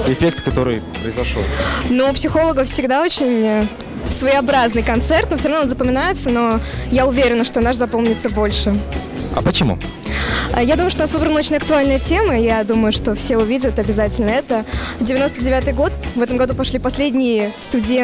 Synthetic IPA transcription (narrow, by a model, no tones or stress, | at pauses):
ɪfʲek̚t̪kɐt̪o̞ɾɨjpɾəɪzɐʂo̰nupsʲɪxo̞lˠəɡəfsʲɪɡd̪ao̞t͡ɕɪnʲə | svəjɪɐbɾaznɨjkɐnt̪sɛrt̪nufsʲoɾɐvnoonzəpəmʲɪnajɪt̪səno̞jaʊvʲeɾʲɪnəʂt̪onaʂzɐpo̞mnʲɪt̪səbo̞lʲʂɨ | ɐ̰pət͡ɕɪmṵ | ə̰jad̪uməjʊʂt̪oasvɨbɾənəot͡ɕɪnʲɐk̚t̪ʊalʲnɨjətʲeməjad̪uməjʊʂt̪o̞fsʲeʊvʲidʲət̪ɐbʲɪzatʲɪlʲnəɛt̪əvdʲɪvʲɪno̞st̪ədʲɪvʲat̪ɨjɡo̞t̪̚vɛt̪əmɡɐd̪upɐʂlʲipɐsʲlʲedʲnʲɪjɪst̪ʊdʲe